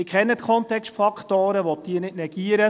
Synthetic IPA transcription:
ɪkχɛnːət̪kʰɔnt̪ɛkstfɑkχtoːɾəʋɔt̚d̥iːənɪtnɛɡ̥iːəɾə

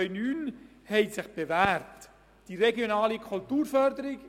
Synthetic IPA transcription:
ʏnyːn | hɛɪsɪχb̥evæːɾt | d̥iɾɛɡjonɑːlikʰχultuːɾfœɾdəɾiɡ

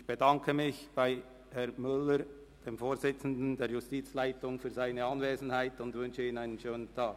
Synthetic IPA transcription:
ɪçb̥edɑŋkʰəmɪçb̥aɪ | hɛɐmʏləɾ | d̥eːmfoːɾzɪt͡sn̩dn̩deːɾjʊstiːt͡slaɪtʊŋfyːzaɪnəɑnveːzn̩haɪtʊndvʏnʃəiːnaɪnənʃøːnəntʰɑːɡ

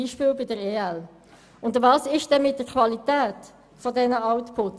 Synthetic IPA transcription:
iːʃpɪːlbɪdəɾeːæl | ʊndəvɑːsɪʃd̥ɛnmɪt̚d̥əɾkʰvɑlitæːt | fɔdɛnəɑwtpʰʊt

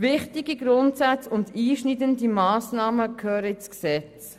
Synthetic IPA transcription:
vɪχtiɡiɡɾʊntsat͡sʊndiːʃnidəndimaːsnɑːməkʰøːɾəsksɛt͡s

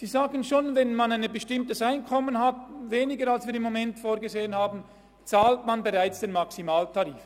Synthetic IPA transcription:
z̥iːzaːɡənʃoːnvɛnmanaɪnbəʃtɪmtəsaɪnkʰɔmənɦatveːnɪɡəalsv̥iːɾɪmːomɛntfoːɐɡəzeːənhaːbn̩ | t͡saːltmanbeʁaɪt͡sd̥enmaksimaːltʰaʁiːf

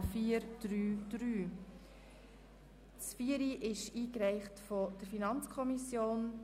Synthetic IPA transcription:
fiːəɾd̥ɾyːd̥ɾyː | sfiːəɾiʔɪʃiːkɾɛɪχtfod̥əɾfinɑnt͡skʰɔmisjoːn

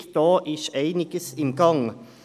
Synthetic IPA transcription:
kt̪oːʔiʃeɪnɪkəsɪnɡɑŋ

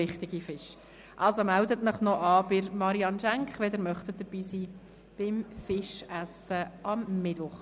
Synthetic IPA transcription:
ɪχtɪɡ̥ifɪʃ | ʔɑlsomældətnəχnɔʔɑːbɪɾmɑɾiɑnʃæŋkχʋɛdəɾmœχt̪əd̥əɾb̥iːsiː | b̥ɪmfɪʃæsəʔɑmːɪd̥ʋʊχ

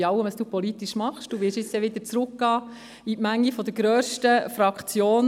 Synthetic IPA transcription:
ɑʊwəmɑsd̥uːpɔlit̪iʃmɑχʃd̥uːʋɪɾʃɪt͡sjɛʋɪd̪əɾt͡sɾʊkɡ̥ɑː | itmæŋːifɔd̥̪əɾɡ̥ɾœːʃtəfɾɑkχt͡sjoːn

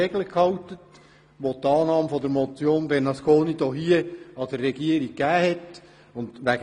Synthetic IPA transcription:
eɡləkhɑwtət | ʋot̪ɑːnɑːmfɔd̪əɾmɔt͡sjoːnbɛrnɑskoːnid̥̪oːɦiəɑd̥ərːɛɡiəɾik̚kːæːhɛt | ʊnd̪ʋæɡ

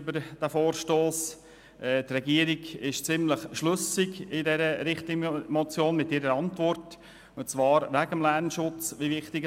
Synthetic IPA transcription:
bəɾd̥æfoːɾʃtoːs | ʔɛːtrɛɡiəɾɪɡɪʃt͡sɪmləχʃlɵsɪɡɪdɛɾəɾɪχtɪɡmɔt͡sjoːnmɪtːɪɾəɾɑntvɔrt | ʊntt͡svɑːɾʋæɡəmlærnʃʊt͡sʋiʋɪχtɪɡ

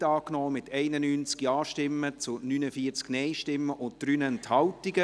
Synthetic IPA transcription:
tɑːknɔːmɪtɛɪnənyːnt͡skjɑːʃtɪmːət͡sʊnynəfiːət͡sknɛɪʃtɪmːəʔʊnt̚d̥ɾyːnəɛnthɑltiɡə

